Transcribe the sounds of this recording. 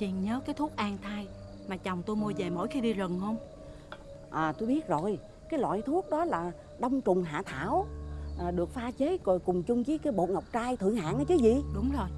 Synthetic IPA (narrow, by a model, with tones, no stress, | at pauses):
t͡ɕḭ˨˩ənɲəː˨˦kaː˨˦jt̪ʰu˦˥ək̚ʔaː˧ŋt̪ʰaː˧j | maː˨˩t͡ɕɔ˨˩wŋ͡mt̪o˧jmu˧ve˨˩mo̰˧˥jxi˧ɗi˧zə˨˩nhə˧wŋ͡m | ʔəː˨˩t̪o˧jɓi˦˥ət̚zo˨˩j | kaː˨˦jlwa̰ː˧˨jt̪ʰu˦˥ək̚ɗɔ˨˦laː˨˩ | ɗə˧wŋ͡mt͡ɕʊ˨˩ŋ͡mɦa̰ː˧˨t̪ʰaː˧˥˨wʔːɗɨ˨˩ək̚faː˧t͡ɕe˨˦kkʊ˨˩ŋ͡mt͡ɕʊ˧ŋ͡mki˨˦kaː˨˦jɓo̰˧˨ŋa˨˩wk͡p̚t͡ɕaː˧jt̪ʰɨ̰˧˨əŋɦa̰ː˧˨nʔa˨˦t͡ɕɨ˨˦zi˧˨ɗʊ˨˦ŋ͡mzo˨˩j